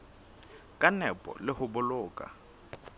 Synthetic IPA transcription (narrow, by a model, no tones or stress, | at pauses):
kʼanɛpʼɔ̰lɪhʊbʊlʊːkʼa̰